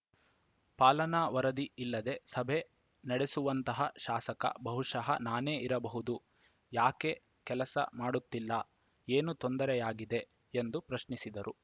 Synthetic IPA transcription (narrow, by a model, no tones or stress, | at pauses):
paːlɐnɐʋɐɾɐd̪iilːɐd̪e̞sɐbʱe̞ | nɐɽesuʋɐnt̪ɐɦɐʃaːsɐkɐ̰bɐɦuʂɐɦɐ̰naːne̞ːiɾɐbɐɦud̪u | jaːke̞ | kɛlɐsɐ̰maːɽut̪ːilːɐ | eːnut̪o̞nd̪ɐɾɛjaːɡid̪e̞ | end̪upɾɐʃnisid̪ɐɾu